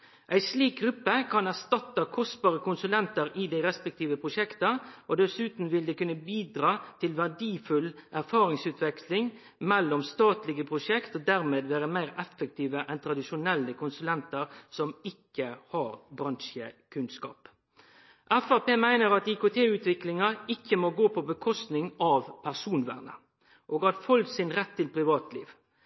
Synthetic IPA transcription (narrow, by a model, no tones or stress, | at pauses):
ʔæɪsliːk̚ɡʁʉpːəkʰɑnæʁst̪ɑt̪ːəkʰɔst̪bɑːʁəkʊnsʉlɛnt̪əʁɪd̪æɪɾɛspɛk̚t̪ʰiːʋəpʰʁʊʂɛkt̪əʔod̪ɛsʉːt̪n̩ʋɪld̪eːkʉnːəbiːd̪ʁɑːt̪ʰɪlʋæʁɖiːfʉlʔæʁfɑːɾɪŋsʉːt̪ʰʋɛkslɪŋ | mɛlːɔmst̪ɑːt̪lɪɡəpʰʁʊʂɛkt̪ɔd̪æʁmeːd̪ʋeːɾəmæɪʁɛfːək̚t̪ʰiːʋəʔɛnt̪ʰɾɑd̪ɪʃʊnɛlːəkʰʊnsʉlɛnt̪əɾsɔmɪkːəhɑɾbɾɑnʃəkʰʉnskɑ̰ːp | ʔæfæpeːmæɪnəɾɑt̪ɪkot̪ʰeːʉːt̪ʋɪklɪŋɑɪkːəmoɡoːpʰɔbəkʰɔst̪nɪŋɑʋpʰæʁsuːnʋæ̰ːʁnə̰ | ʔoːɡɑt̪fɔlsɪnɾɛt̪ʰːɪlpɾɪʋɑːt̪lḭːʋ